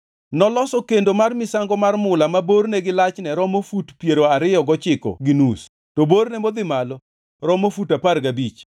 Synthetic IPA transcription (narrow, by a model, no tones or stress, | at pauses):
nɔlɔsɔkendomarmɪsaŋɡɔmarmʊlamaboɾnɛɡɪlat͡ʃnɛɾɔmofutpjeɾoaɾɪjɔɡɔt͡ʃɪkɔ̰ɡɪnus | toboɾnɛmod̪ɪmalɔ | ɾɔmofutaparɡabit͡ʃ